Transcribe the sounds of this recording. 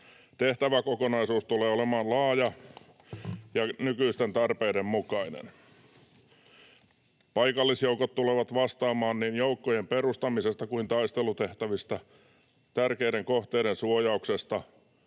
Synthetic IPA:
t̪eht̪æʋækokonɑisuːst̪uleːolemɑːnlɑːjɑ | jɑnykyist̪ent̪ɑrpeidemmukɑinḛn | pɑikɑlːisjoukot̪tuleʋɑt̪ʋɑst̪ɑːmɑːnniːnjoukːojemperust̪ɑmisest̪ɑkuint̪ɑist̪elut̪eht̪æʋist̪ɑ | t̪ærkeideŋkoht̪eiɾensuojɑuksest̪ɑ

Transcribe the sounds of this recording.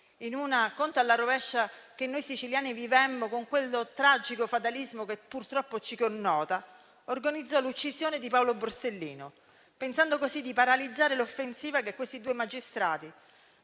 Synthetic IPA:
inunakont̪alːaɾovɛʃːak̟enːojsit͡ʃiljaːnivivɛmːokoŋkwelːot̪ɾad͡ʒikofat̪alizmokepːurt̪ɾɔpːot͡ʃikonːɔːt̪a | orɡanid̪zːɔlut͡ʃːisjoːned̪ipawloborselːḭːno | pensand̪okosid̪ːipaɾalid̪zːaːɾelofːensiːvakekːwest̪id̪uːemad͡ʒist̪ɾaːt̪i

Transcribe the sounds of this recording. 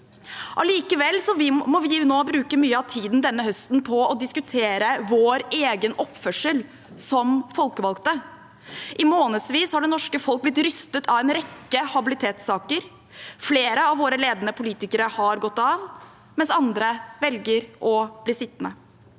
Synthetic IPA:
ʔɔliːkəʋɛlːsɔʋɪmɔʋɪnoːbɾʉːkəmyːəɑʋt̪ʰiːd̪nd̪ɛnːəhœst̪n̩pʰɔɔd̪ɪskʉt̪ʰeːɾəʋoːɾeːɡənɔpːfœʂəl | sɔmfɔlkəʋɑlkt̪ə | ʔɪmoːnəd̪sʋiːshɑɖɛnɔʂkəfɔlk̚blɪt̪ɾʏst̪ət̪ʰɑʋɛːnɾɛkːəhɑbɪlɪt̪ʰeːt̪sɑːkəɾ | fleːɾəɑʋʋoːɾəleːd̪ənəpʰʊliːt̪ɪkəɾəhɑɾɡɔt̪ːɑʋ | mɛnsɑnd̪ɾəʋɛlɡəɾʔɔbliːsɪt̪ːnə

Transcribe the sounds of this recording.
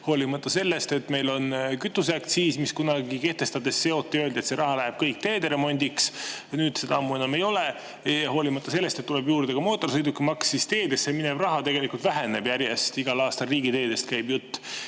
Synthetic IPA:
ho̞ːlimɑt̪ːˑɑse̞lːe̞st̪e̞t̪ːme̞jlo̞nkyt̪ːˑus̬ækt̪siːsmiskunɑɡike̞ht̪e̞st̪ɑd̪e̞sːe̞o̞t̪ˑːeøld̪iet̪se̞ɾɑɦɑlæɦeb̥̚kɤjk̚t̪e̞ːd̪e̞ɾe̞mo̞nʲd̪̥iksnyːd̪se̞d̪̥ɑɑmːue̞nɑme̞jo̞le | jɑɦo̞ːlimɑt̪ːˑɑse̞lːest̪et̪ːulebjuːɾid̪eɡ̥ɑmo̞ːt̪ːˑo̞rsɤjd̪ukːimɑksist̪e̞ːd̪esemine̞b̥rɑɦɑt̪e̞ɡ̥e̞likult̪væɦene̞b̥jæɾjest̪iɡ̥ɑlɑːst̪ɑlriːɡ̥it̪e̞ːd̪̥e̞st̪kæjbjut̪ː

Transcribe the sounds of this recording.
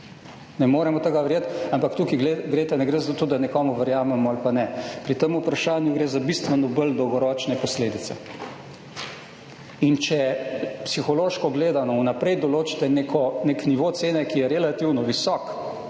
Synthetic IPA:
nɛmoːɾɛmɔt̪eɡaʋəɾjet̪ampakt̪uːkiɡleɡɾet̪ɛnɛɡɾezat̪ot̪od̪anɛkɔːmuʋəɾjaːmɛmɔalpanɛpɾit̪emupɾaʃaːnjuɡɾeːzabist̪ʋɛnɔbəld̪ɔwɡɔɾɔːt͡ʃnɛpɔsleːd̪it̪sɛ̰ | int͡ʃɛpsixɔloːʃkɔɡleːd̪anɔwnapɾɛjd̪ɔloːt͡ʃi̥t̪ɛnekʰɔnekniʋoːt̪seːnɛkijɛɾɛlat̪iwnɔʋisɔːk

